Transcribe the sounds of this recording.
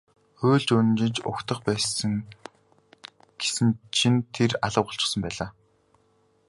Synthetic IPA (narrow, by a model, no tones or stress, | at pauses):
xoːɮt͡ɕɵn̆nt͡ɕɪ̆nt͡ɕʊ̰kt̪ə̆χpæːsə̆ŋ | ɡ̥e̥sɘ̆nt͡ɕʰint̪ʰeraɮə̆wɢʊ̆ɬt͡ɕɪ̆χsə̆mpæːɮaː